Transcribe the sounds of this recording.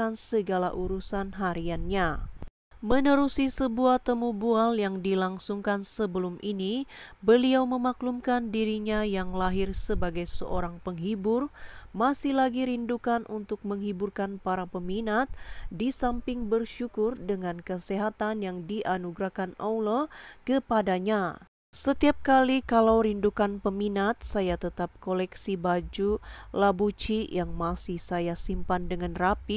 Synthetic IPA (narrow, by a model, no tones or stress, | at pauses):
ansəɡalaʔuɾusanɦaɾianɲa | mənəɾusisəbuaht̪əmubualjaŋdilaŋsuŋkansəbəlumʔinibəliawməmaklumkandiɾiɲajaŋlaɦɪrsəbaɡajsəʔoɾaŋpəŋɦibʊrmasɪhlaɡiɾindukanʔunt̪ʊk̚məŋhiburkanpaɾapəminat̪̚disampɪŋbərʃukʊrdəŋankəseɦat̪anjaŋdiʔanuɡɾahkanawlokəpadaɲa | sət̪iap̚kalikalawɾindukanpəminat̪̚sajat̪ət̪ap̚kolɛksibad͡ʒulabut͡ʃijaŋmasihsajasimpandəŋanrapi